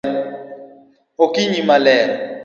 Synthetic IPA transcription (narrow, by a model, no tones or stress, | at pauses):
okʼiɲimalɛːla